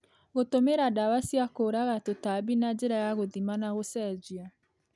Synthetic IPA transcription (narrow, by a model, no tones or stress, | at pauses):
ɣotomeɾadawasiakoɾaɣatotabinad͡ʑeɾajaɣoðimanaɣosɛd͡ʒia